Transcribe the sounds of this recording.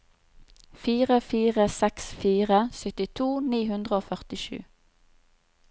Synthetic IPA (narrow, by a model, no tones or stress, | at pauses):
fiːʁəfiːʁəsɛksfiːʁəsʏt̪ɪt̪ʰuːniːɦʉnd̪ʁəoːfœʁt̪ɪʃʉ̰ː